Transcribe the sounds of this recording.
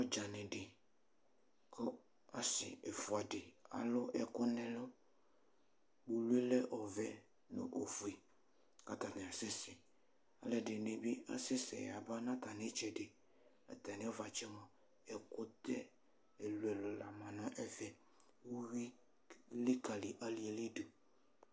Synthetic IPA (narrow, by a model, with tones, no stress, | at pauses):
ɔ˦d͡ʒa˨nɪ̃˨ɖɪ˨ | kʊ˦ | a˨sɪ̰˨ɛ˨fʊ˨a˨dɪ˨a̰˨lʊ˦ʔɛ˨kʊ˦nɪ̃˨lʊ˦ | bu˨lu˦e˦lɛ˦ʔɔ˨vɛ˨ | nʊ̰˨ʔo˨fu˨e˨ | ka˦t̪a˨nɪ̃˨a˨sɪ˦sɪ˨ | a̰˨lɛ˦dɪ˨ne˨be˦a̰˦sɪ˦sɛ̰˨ja˨ba˦nã˦t̪a˨nɪ˦t͡ʃɛ˨dɪ˨ | a̰˨t̪a˨nɪ̃˦ɔ˦va˨t͡ʃɛ˦mɔ̃˨ | ɛ˨kʊ˦t̪ɛ˦ | e˨lu˨ɛ˨lʊ˨la˨mã˨nɔ̃˦ʔɛ˦vɛ˨ | wu˦wi˦ | lɪ˦ka˨lɪ˨ʔa˨lɪ˨ɛ˨lɪ˦du˨